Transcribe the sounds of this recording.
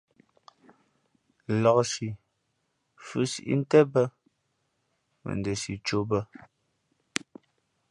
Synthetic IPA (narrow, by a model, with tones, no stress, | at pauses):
lɔ˨ksi˨ | fʉ˦sḭ˨ʔḭ˦n̩˦tɛ˦bə˦ | mə̰˨ndə˨si˨t͡ʃo˦bə˦